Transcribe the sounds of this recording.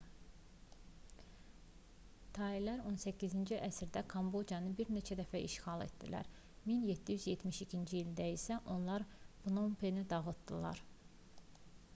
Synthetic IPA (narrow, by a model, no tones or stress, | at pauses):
t̪ʰɑilæɾo̞nsæcʰːizind͡ʒiʔæsɾd̪ækʰɑmbo̞d͡ʒjɑnɯbiɾne̞t͡ʃʰæd̪æfæʔḭʃxɑlˠḛt̪d̪ḭlæ̰ɾ | minjet̪ʰːijyzjet̪ʰmiʃicʰind͡ʒiild̪æisæʔo̞nlˠɑɾb̥unompʰenid̪ɑɣɯt̪d̪̥ɯlˠɑ̰ɾ